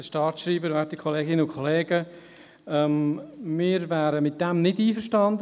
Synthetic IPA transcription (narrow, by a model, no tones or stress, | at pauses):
əʃtɑːtʃriːbəɾvɛːɾtikʰχɔleːɡɪnəʊkʰɔleːɡə | ɛmmɪːɾvæːɾəmɪt̚d̥ɛmnɪdiːfəʃtɑnd